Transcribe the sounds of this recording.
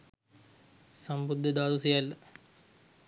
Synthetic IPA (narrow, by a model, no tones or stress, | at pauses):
sɐmbud̪ʱːɐd̪aːd̪usijal